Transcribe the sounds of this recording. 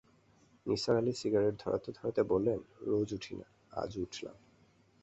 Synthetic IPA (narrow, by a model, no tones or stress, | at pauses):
nisaɾalisiɡaɾeʈ̚d̪ʱɔɾʔa̰t̪od̪ʱɔɾat̪ebolːenɹod͡ʑuʈʰina̰ | a̰d͡ʑuʈʰla̰m